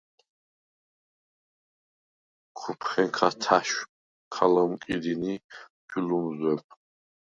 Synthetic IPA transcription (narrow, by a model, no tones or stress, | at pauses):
kʰupʰχɛŋkʰat̪ʰaʃ | kʰalamkʼid̪inid͡ʒulumzwɛp̚ʰ